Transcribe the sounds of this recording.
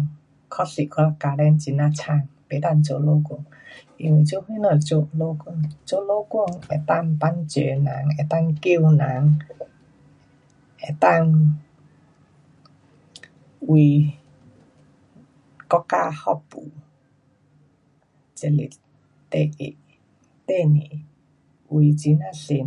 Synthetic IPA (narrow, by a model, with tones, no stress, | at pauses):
kʰɔ˦si˨kʰa˧a˧ka˧lɛ˧˦nt͡ɕi˧˩nã˧˨t͡ɕʰa˧˨ŋpe˨˦t̪a˧nt͡ɕo˧˨lo˧˦kɔ˥˩˨ŋ | i˧˩nwi˨t͡ɕo˧˨hwi˦nə˧˩t͡ɕo˧ʔlo˧˦kɔ˥˧˨ŋt͡ɕo˧˨lo˦kwɔ˥˧˨ŋe˨˩t̪a˥˧ŋpa˦nt͡ɕe˨˦nã˨˦ŋe˨˩t̪a˥˨ŋki˥˧˨wnã˨˦ŋ | ʔe˨t̪a˥˧˨ŋ | wi˨ | kɔ˦ka˧˨hɔ˦pu˨ | t͡ʃə˧˨lḭ˨ | t̪e˧˨ʔḭ˨˦ʔ | t̪e˦˧˨ni˨ | wi˨t͡ɕi˨˦na˦˧˨si˨